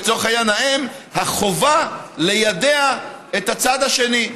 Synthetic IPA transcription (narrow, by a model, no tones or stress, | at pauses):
t͡soχajanaemhaχo̞vale̞jad̪e̞aet̪hat͡sad̪aʃe̞ni